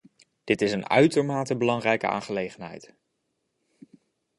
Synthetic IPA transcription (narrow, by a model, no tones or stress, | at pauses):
d̥ɪtɪsənœ̰ɥtəɹmaːtəbəlɑŋrɛjkəʔa̰ːnχəlejχənɦɛ̰jt